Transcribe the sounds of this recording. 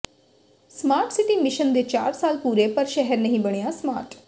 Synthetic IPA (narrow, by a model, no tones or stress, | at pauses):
smaːɾʈsɪʈiːmɪʃənd̪eːt͡ʃa̰ːɾsaːlpuːɾepəɾʃɛɦɛɾnəɦĩːbəɽ̃ejaːsma̰ːɾʈ